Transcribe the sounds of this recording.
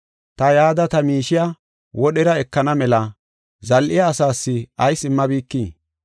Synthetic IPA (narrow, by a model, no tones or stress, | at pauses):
t̪ɐjaːd̪ɐt̪ɐmiːʃɪja | wɔɗɛɾɐɛkːɐnɐmɛlɐ | zɐlʔɪjaːsaːsːɪɐjsɪmːɐbiːkːiː